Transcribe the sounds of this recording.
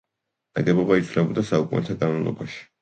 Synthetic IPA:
n̥aɡɛbɔbait̪sʰvlɛbɔd̪asaukʼunɛt̪ʰaɡʼanlˠɔ̰baʃi̥

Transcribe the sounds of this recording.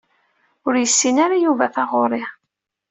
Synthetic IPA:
ʊɾjəsːinaɾajuvæθɑʁʊɾˤɪʁ

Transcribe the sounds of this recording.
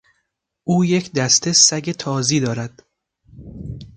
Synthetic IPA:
ʔuːje̞cʰd̪æst̪ʰe̞sæɡʲet̪ʰɒːziːd̪ɒːɾæd̪̥

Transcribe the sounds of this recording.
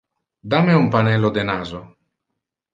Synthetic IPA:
d̪ameumpanɛlːod̪enaːzo

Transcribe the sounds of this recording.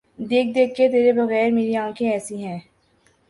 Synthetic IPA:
d̪eːk̚ʰd̪eːk̚ʰːet̪eːɾebɐɣɛːɾmeːɾiãːkʰẽɛːsĩɦɛ̃ː

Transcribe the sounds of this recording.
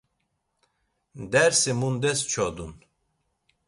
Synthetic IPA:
d̪ɛɾsimund̪ɛst͡ʃʰɔd̪un

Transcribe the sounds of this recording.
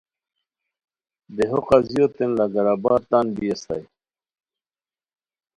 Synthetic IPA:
d̪eɦoqazjot̪enlaɡaɾabɑːɾt̪anbijast̪a̰j

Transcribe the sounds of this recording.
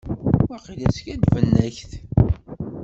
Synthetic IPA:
æqilæskæd̪vənːæçθ

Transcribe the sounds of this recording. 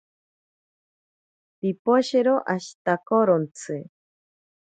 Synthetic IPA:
pipoʃeɾoʔaʃi̥t̪akoɾont͡sʰɨ

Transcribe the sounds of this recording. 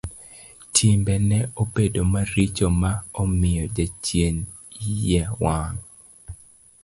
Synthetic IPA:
tʰimbɛnɛobedomaɾit͡ʃomaɔmɪjɔd͡ʒat͡ʃjen | jɛwaŋ

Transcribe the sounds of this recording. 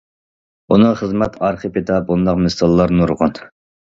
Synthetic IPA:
unɨχəzmɛt̪ʰɑɾχəpet̪ʰɑp̚und̪ɑqmɪsɑlˠːɑɾnuɾʁʊn

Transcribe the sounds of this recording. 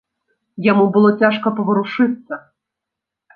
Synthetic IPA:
jamubɨlˠɔt͡sʲaʂkɐpɐʋɐɾuʂɨt̪sːɐ

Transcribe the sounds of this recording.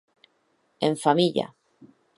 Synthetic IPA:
eɱfamiʎa̰

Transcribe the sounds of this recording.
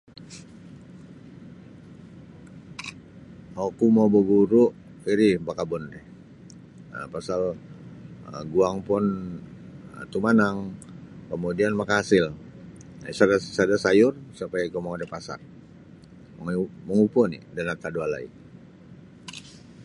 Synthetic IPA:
okumabobuɾʊʔ | iɾibakabɔndɛh | ə̰pasal | əɡuaŋpʊn | ət̪umanaŋkəmudianmakaasɪl | sadasadasajʊrsapajaikomaŋadɛpasa̰r | məŋməŋupɔnḭdanat̪aduala̰ḭ

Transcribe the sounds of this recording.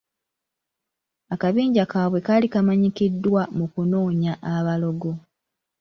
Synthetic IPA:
akaβiːɲɟakaːβwe̞kalikamaɲikidːwamukuno̞ːɲaʔaβalo̞ɡo̞

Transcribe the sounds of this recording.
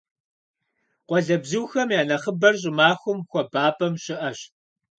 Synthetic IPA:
qʷɔɮɐbzuwxɐmjaːnɐχəbɐrɕ̬ʼɪmaːxʷʊmxʷɔbaːpʼɐmɕɪʔɐɕ

